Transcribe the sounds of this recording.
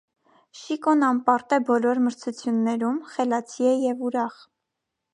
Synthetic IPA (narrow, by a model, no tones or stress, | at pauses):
ʃikɔnɑmpɑɾt̪ɛbɔlɔɾməɾt͡sʰut͡sʰjunːɛɾumχɛlɑt͡sʰiɛjɛvuɾɑχ